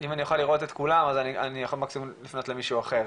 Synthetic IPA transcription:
imanijoχaliʁo̞t̪et̪kulamazania̰nijaχo̞lmaksimlifno̞t̪lemiʃuːaχeʁ

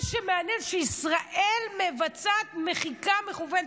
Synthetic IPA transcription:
ʃemeanjenʃeisʁaʔelmevat͡sat̪meχikameχuven

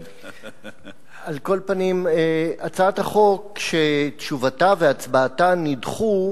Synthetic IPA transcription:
alko̞lpanimeat͡sataχo̞kʃetʃuvatave̞at͡sbaːtanidχu

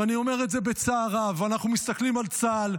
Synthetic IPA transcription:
anio̞me̞ʁetze̞be̞t͡saːʁavanaχnumist̪aklimalt͡sal

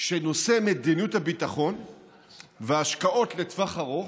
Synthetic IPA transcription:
kʃeno̞se̞med̪injuthabit̪aχo̞n | veaʃkao̞tle̞t̪vaχaʁoχ

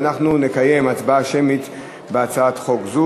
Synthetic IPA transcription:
naχnunekaje̞mat͡sbaʃemit̪ | beat͡saat̪χo̞kzu

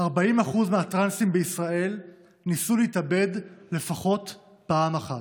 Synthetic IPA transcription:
haʁbaimaχuzmeatʁansimbeisʁae̞l | nisuleitabe̞dle̞faχo̞t | paːmaχat

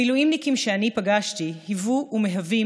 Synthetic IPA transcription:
iluimnikimʃeanipaɡaʃtihivuʔːmeɦavi

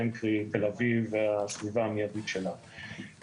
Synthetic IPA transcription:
enkʁit̪elavivasvivaamijad̪it̪ʃela

